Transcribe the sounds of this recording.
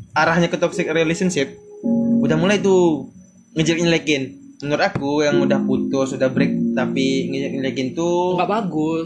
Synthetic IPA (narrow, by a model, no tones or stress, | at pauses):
aɾahɲakət̪ɔk̚sɪk̚relesənsɪp̚udahmulajt̪̬u | ŋəd͡ʒəlɪnlekɪnmənʊɾakujaŋudahput̪ʊsudahbɾɪk̚t̪apiŋəd͡ʒəlɪnlekɪnt̪uɡaʔbaɡʊs